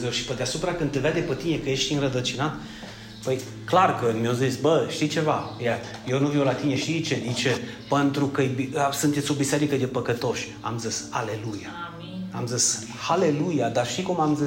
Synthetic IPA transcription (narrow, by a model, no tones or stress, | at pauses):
zewʃi̥pəd̪easupɾakɨnd̪evad̪epət̪ine̞kəje̞ʃt̪ʲinrəd̪ət͡ʃinat̪ | pəj | klarkəmeozisbəʃt̪it͡ʃe̞vajajewnuvewlat̪ine̞ʃt̪it͡ʃe̞d̪it͡ʃe | pent̪ɾukəjbisunt̪et̪sʲo̞biseɾikəd̪e̞pəkət̪o̞ʃʲ | a̰mzisa̰le̞luja | amzis | hale̞lujad̪arʃt̪ikumamzi